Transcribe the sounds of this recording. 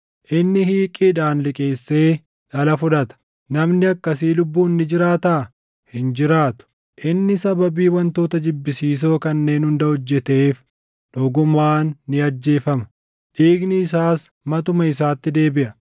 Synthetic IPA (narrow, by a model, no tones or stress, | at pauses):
ʔɪnːɪhiːkʼɪd̪aːnlɪkʼe̞ːsːe̞ː | ᶑɐlɐfʊᶑɐt̪ɐ̥ | nɐmnɪɐkːɐs̬iːlʊbːuːnːɪd͡ʒɪɾaːt̪aː | hɪnd͡ʒɪɾaːt̪ʊ̥ | ʔɪnːɪsɐbɐbiːwɐnt̪o̞ːt̪ɐd͡ʒɪbːɪsiːs̬o̞ːkɐnːe̞ːnhʊnd̪ɐhɔd͡ʒːɛt̪e̞ːf | ᶑ̪ɔɡʊmaːnːɪɐd͡ʒːe̞ːfɐmɐ̥ | ᶑiːɡnɪːsaːs | mɐt̪ʊmɐɪsaːt̪ːɪd̪e̞ːbɪʔɐ